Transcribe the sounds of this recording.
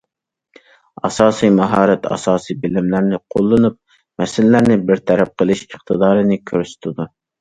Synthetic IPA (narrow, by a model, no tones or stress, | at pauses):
ɑ̰sɑːsijmɑɦɑːɾɛt̪ʰɑ̰sɑːsijbɪlɪmlæɾnɪqʰolˠːɨnup̚ | mɛsɪllæɾnɪbɪɾt̪ʰɛɾɛp̚qʰəlˠɨʃəχt̪ʰɨd̪ɑːɾɨnɪkʲʰøɾsy̥t̪ʰɪd̪u